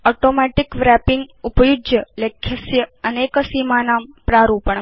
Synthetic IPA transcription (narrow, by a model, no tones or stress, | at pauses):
oʈomɛʈɪkʋɾɛpɪŋɡʊpəjʊd͡ʒjəlekʰːjəsjəənekəsimanampɾaɾũpəɳ